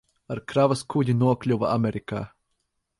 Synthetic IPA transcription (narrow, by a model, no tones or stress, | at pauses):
aɾkɾavɐskudʲinuɔklʲuvaamʲeɾika̰ː